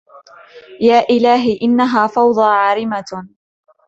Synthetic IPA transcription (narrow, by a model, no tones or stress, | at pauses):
jaːʔɪlaːɦɪʔɪnːaɦaːfɑwd̪ˤɑːʕaːɾɪma